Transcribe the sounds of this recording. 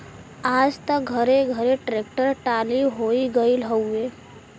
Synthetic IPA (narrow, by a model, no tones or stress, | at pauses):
aːd͡ʒt̪ək̚ɡʱəɾeɡʱəɾeʈɾek̚ʈəɾʈaliɦoiɡəilɦəwe